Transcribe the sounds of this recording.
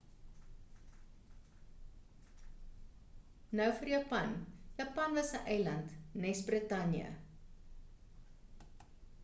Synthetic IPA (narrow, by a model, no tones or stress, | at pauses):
nœwfərjɑːpɐnjɐpɐnvɐsəʔɛjlɐntnɛsbrətɐnjə̰